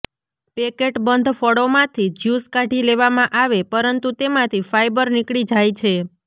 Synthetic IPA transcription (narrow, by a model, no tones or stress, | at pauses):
pekeʈbənd̪ʱfɔɽomãt̪ʰid͡ʒjuskaʈileʋamãʔaʋepəɾənt̪ut̪emãt̪ʰifajbəɾnikɽid͡ʒajt͡ʃʰe